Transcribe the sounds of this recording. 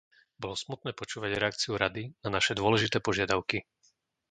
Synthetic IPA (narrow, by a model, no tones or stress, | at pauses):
bɔlɔsmut̪̚nɛːpɔt͡ʃuːʋaɟɾɛak̚t͡siuɾad̪inanaʃɛd̪ʊɔlɛʒit̪ɛːpɔʒɪad̪aʊki